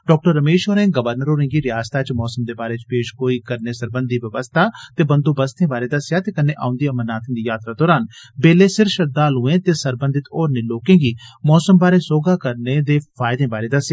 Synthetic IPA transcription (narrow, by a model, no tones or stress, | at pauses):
ɖɔːk̚ʈəɾːəmeːʃoːɾẽːɡəʋəɾnəɾoːɾẽːɡiːɾɪjaːst̪ʰaːt͡ʃmɔːsəmd̪eːbaːɾeːt͡ʃpeːʃkoːiːkəɾneːsəɾbə̃nd̪iːʋjəʋəst̪ʰaːt̪eːbənd̪õːbəst̪ʰẽːbaːɾeːd̪əsjaːt̪eːkənːẽːʔa̰ːʊ̃nd̪iamənaːt̪ʰɪ̃ːd̪iːjaːt̪ɾaːd̪ɔːɾaːnbeːleːsɪɾfʃəd̪aːlũːẽːt̪eːsəɾbənd̪ɪt̪ɔːɾnẽːloːkẽːɡiːmɔːsəmbaːɾeːsoːɡaːkəɾneːd̪eːfaːɪd̪ẽːbaːɾeːd̪əsjaː